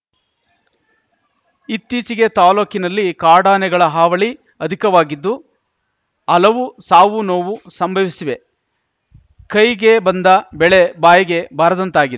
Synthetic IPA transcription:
it̪ːiːt͡ʃiɡe̞t̪aːloːkinɐlːikaːɽaːnɛɡɐɭɐɦaːʋɐɭi | ɐd̪ʱikɐʋaːɡid̪ːu | ɐlɐʋusaːʋunoːʋusɐmbʱɐʋisiʋe̞ | kɐjɡe̞bɐnd̪ɐbɛɭebaːjɐɡe̞bʱaːɾɐd̪ɐnt̪aːɡid̪e

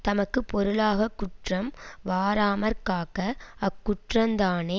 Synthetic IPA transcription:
t̪ɐmɐkːɯpɔɾɯɭaːɣɐkːʊʈrɐmʋaːɾaːmɐɾkaːkɐɐkːʊʈrɐnd̪aːne

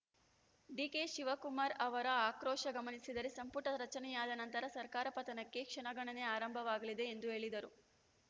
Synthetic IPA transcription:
ɖikeʃiʋɐkumaːɾɐʋɐɾɐaːkɾɔːʂɐɡɐmɐnisid̪ɐɾesɐmpuʈɐɾɐt͡ʃɐnɛjaːd̪ɐnɐnt̪ɐɾɐsɐɾkaːɾɐpɐt̪ɐnɐkːe̞kʂɐɳɐɡɐɳɐne̞aːɾɐmbʱɐʋaːɡɐlid̪e̞ːnd̪uɦe̞ːɭid̪ɐɾu

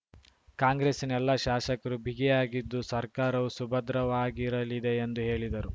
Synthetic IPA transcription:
kaːŋɡɾeːsinɛlːɐʃaːʃɐkɐɾubʱiɡijaːɡid̪ːusɐɾkaːɾɐʋusubɐd̪ɾɐʋaːɡiɾɐlid̪e̞ːnd̪uɦe̞ːɭid̪ɐɾu

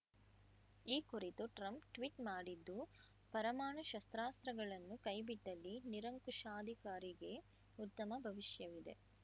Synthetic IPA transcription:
iːkuɾit̪uʈɾɐmpʈʋiʈmaːɽid̪ːu | pɐɾɐmaːɳɐʃɐst̪ɾaːst̪ɾɐɡɐɭɐnːukɐjbiʈːɐlːiniɾɐŋkuʃaːd̪ʱikaːɾiɡe̞ | ut̪ːɐmɐbʱɐʋiʃjɐʋid̪e̞̰

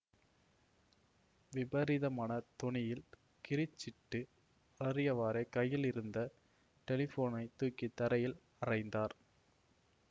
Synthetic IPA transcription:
ʋɪbɐɾɪðɐmaːnɐt̪ɔɳɪjɪl | kɪɾɪt͡ʃːɪʈːɯ | ɐɾɪjɐʋaːɾekɐjːɪlɪɾɯnd̪ɐ | ʈɛlɪfoːnɐɪt̪ːuːkːɪt̪ːɐɾɐjɪl | ɐrɐɪnd̪aːɾ

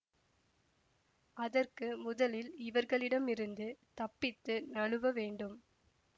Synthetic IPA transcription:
ɐðɐrkɯmʊðɐlɪlɪʋɐɾɣɐɭɪɽɐmɪɾɯnd̪ɯt̪ɐpːɪt̪ːɯnɐɭɯʋɐʋeːɳɖɯm

